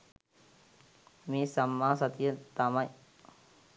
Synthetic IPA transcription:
miːsɐmːaːsɐt̪ijət̪ɐmɐj

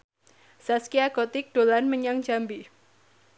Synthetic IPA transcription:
saskiaɡ̥ot̪ɪk̚ɖ̥olanməɲaŋ̥d͡ʒambi

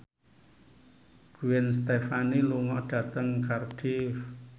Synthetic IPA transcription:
ɡ̥ṳwɛnst̪efaniluŋɔʔɖ̥a̤t̪əŋkard̥if

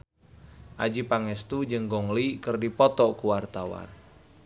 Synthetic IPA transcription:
ʔad͡ʒipaŋɛst̪ud͡ʒəŋɡɔŋlikərdipɔt̪ɔkuwart̪awa̰n

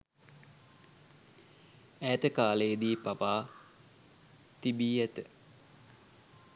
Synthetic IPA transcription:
æːt̪əkaːleːd̪iːpapaː | t̪ibiːæt̪ə

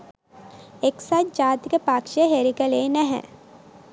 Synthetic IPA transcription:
eːksaːt͡ʃd͡ʒaːt̪kepaːkʃeɦeɾikəlenɛɦɛ̰̃

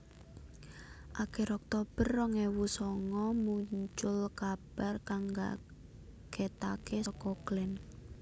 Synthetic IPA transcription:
ʔaɡ̥ɛɾɔk̚t̪ob̥ərːɔŋɛwusɔŋɔmuɲt͡ʃʊlkab̥ɛrkaŋɡa̰ | ɡ̥ɛt̪akesɔkɔɡ̥lɛn

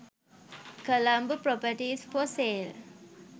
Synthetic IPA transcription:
kəlambəpɾɔpəʈisfɔseːl

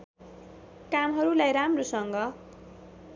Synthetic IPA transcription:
kamɦʌɾulajɾamrosʌŋɡʌ

